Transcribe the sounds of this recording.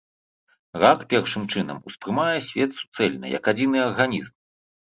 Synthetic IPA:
rakpʲɛrʂɨmt͡ʂɨnɐ̰muspɾɨmajɛsʲvʲɛt̪su̥t̪sɛlʲnɐ̰jɐ̰kad͡zʲinɨɐrɣanʲizm

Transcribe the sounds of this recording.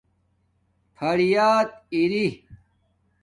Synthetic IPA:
pʰɐɽijaːt̪̚iɾi

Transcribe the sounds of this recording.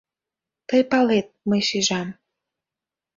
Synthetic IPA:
t̪əjpɑlet̪̚məjʃiʒɑm

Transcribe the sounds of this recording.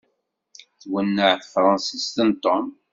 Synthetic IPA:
θwənːəʕθəfɾˤɑnsist̪ənt̪om

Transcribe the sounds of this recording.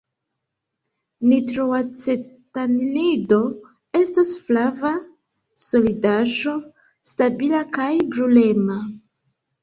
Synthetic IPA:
nitɾoat͡setaninido̞ | e̞stasflava | so̞lidaʒo̞ | stabilakajbɾule̞ma

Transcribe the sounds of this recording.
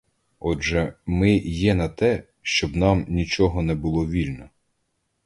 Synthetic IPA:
ɔʒɛmɪjɛnɐt̪ɛ | ʃt͡ʃɔbnɑmnʲit͡ʃɔɦɔnɛbʊlˠɔʋʲilʲnɔ

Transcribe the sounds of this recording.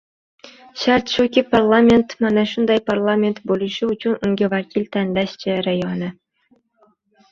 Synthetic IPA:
ɕɑrt̪ʃukʲiparlˠamʲent̪mɑnɑʃund̪ɑjparlˠamʲent̪bolʲˠuɕuut͡ɕunuŋʲɡʲĕvɑkʲilʲt̪ænʲlʲæɕt͡ɕɘ̆rɑjonɘ̆

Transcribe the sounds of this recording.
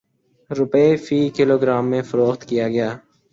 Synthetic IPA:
ɾʊpefiːkɪloːɡɾaːmːẽfəɾoːxt̪kijaːɡəjaː

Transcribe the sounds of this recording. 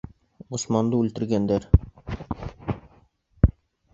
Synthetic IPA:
ŏsmɑnd̪ɤʉlt̪ɘ̆ɾɡænd̪æɾ

